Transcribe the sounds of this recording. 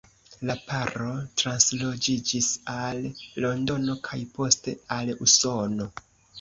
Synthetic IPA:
lapaɾo̞tɾanslo̞d͡ʒid͡ʒisalːo̞ndo̞no̞kʰajpo̞ste̞aluso̞no̞

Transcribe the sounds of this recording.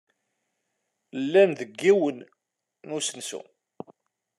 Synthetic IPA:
lːænðəɡːiwənː | usənsṵ

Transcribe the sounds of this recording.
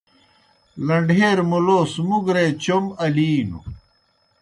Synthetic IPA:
lɐɳɖʱeːɾmuloːsmuɡɾet͡ɕomɐliːnṵ

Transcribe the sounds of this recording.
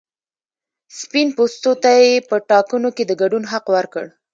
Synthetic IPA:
spinpost̪ot̪ajepəʈɑkunoked̪əɡaɖunɦaqwaɾkəɽ

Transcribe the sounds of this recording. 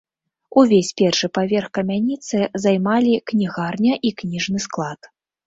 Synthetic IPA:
uvʲesʲpʲɛrʂɨpavʲɛrxkɐmʲanʲit̪sɨzajmalʲiknʲiɣarnʲɐʔiknʲiʐnɨsklˠat̪

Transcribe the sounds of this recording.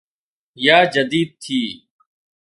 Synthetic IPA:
jaːd͡ʒəd̪iːd̪̚t̪ʰiː

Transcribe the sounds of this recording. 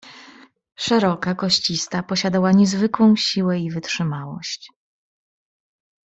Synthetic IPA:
ʂɛɾɔkakɔɕt͡ɕist̪apɔɕad̪awaɲɛzvɘkwɔ̃w̃ɕiwɛivɘtʂɘmawɔ̰ɕt͡ɕ

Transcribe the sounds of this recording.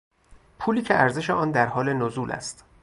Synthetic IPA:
pʰuːliːcʰe̞ʔæɾze̞ʃeʔɒːnd̪æɾhɒːle̞nozuːlʔæ̰st̪

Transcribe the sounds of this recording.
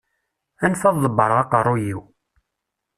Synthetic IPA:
ænθɑðˤðˤəbːəɾˤʁɑqərˤːʊjiw

